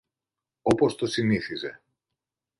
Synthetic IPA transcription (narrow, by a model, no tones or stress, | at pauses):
o̞po̞st̪o̞siniθize̞̰